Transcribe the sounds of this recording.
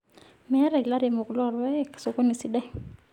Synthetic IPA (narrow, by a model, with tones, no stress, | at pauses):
mɛ˦ɾɛ˨kla˦ɾe˨mo˨klwa˦˨ɾwɛ˦kso˨ko˦ni˨si˦dɛ˦ŋ